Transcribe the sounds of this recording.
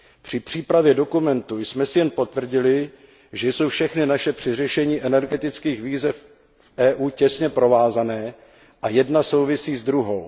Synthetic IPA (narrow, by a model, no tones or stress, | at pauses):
pr̝̥ɪpr̝̥iːpɾavjɛdo̞kumɛnt̪ujsmɛsɪjɛnpo̞t̪vr̩ɟɪlɪ | ʒɛjso̞wfʃɛxnɪnaʃɛpr̝̥ɪr̝ɛʃɛɲiːʔɛnɛɾɡɛt̪ɪt͡skiːxviːzɛf | ʔɛːʔuːcɛsɲɛpɾo̞vaːzanɛː | ʔajɛdnaso̞wvɪsiːzd̪ɾuɦo̞w